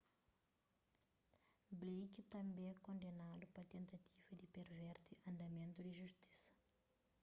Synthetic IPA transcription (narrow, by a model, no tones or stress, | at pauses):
blejkit̪ɐ̃mbẽɛkõnd̪enalupɐt̪ẽnt̪at̪ʰivɐd̪ipeɾvɛɾt̪iʔɐ̃nd̪ɐmẽnt̪ud̪iʒuʃt̪i̥sɐ̥